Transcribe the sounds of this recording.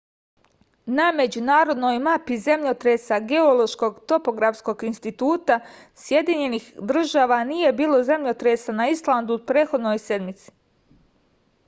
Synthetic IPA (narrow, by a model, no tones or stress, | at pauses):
name̞d͡ʑunaːɾo̞d̪no̞jmapizemʎot̪ɾesaɡe̞o̞lˠoʃko̞ɡt̪o̞po̞ɡɾafsko̞ɡinst̪it̪uːt̪a | sje̞d̪iɲe̞nixd̪r̩ʒaːʋanije̞biːlˠo̞ze̞mʎot̪ɾesanaislˠand̪upɾeːxo̞d̪no̞jse̞d̪mit̪si̥